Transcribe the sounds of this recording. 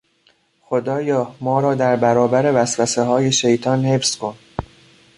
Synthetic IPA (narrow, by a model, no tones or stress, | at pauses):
xo̞d̪ɒːjɒːmɒːɾɒːd̪æɾbæɾɒːbæɾe̞væsvæseɦɒːje̞ʃejt̪ʰɒːnhe̞fskʰo̞n